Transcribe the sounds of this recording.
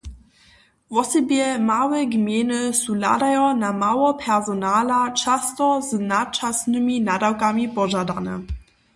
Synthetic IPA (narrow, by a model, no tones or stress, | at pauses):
vɔsɛbjɛmawɛɡmjenəsula̰dajɔnamawɔpʰɛʁzonaːlat͡ʃast̪ɔznat̚t͡ʃasnɨminadawkamipɔʒadanə̰